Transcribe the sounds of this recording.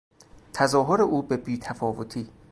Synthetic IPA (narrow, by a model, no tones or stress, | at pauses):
t̪ʰæzɒːɦoɾeʔuːbebiːt̪ʰæfɒːvot̪ʰiː